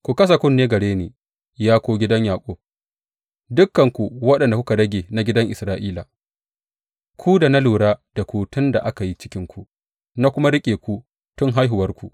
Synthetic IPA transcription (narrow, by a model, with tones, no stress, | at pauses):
kʷu˨kɐ˦s̬a˨kʷʊ˦nːeː˦ɡɐ˨ɽeː˦neː˨ | jaː˦kʷoː˦ɡʲɪ˦dɐ˦ɲjaː˨kʷʼoː˦ | dʊ˦kːɐ˨ŋkʷu˨wɐ˦ɗɐ˨nda˨ku˦ka˨dɐ˦ɡʲeː˨na˨ɡʲɪ˦dɐ˦ŋʔɪ˨sɾaː˦ʔiː˦la̰ː˨ | kʷʰu˦da˨na˦luː˨ɽaː˦d̥a˨kʷuː˨tʊ˦nda˨ʔa˦ka˨ji˦t͡ʃɪ˦kʲɪ˦ŋkʷu˦ | na˦kʷʊ˦ma˦ɾɪ˦kʲʼeː˨kʷu˦ | tʊ˦ŋɦa˦jɦʊ˨wɐ˦rkʷu˨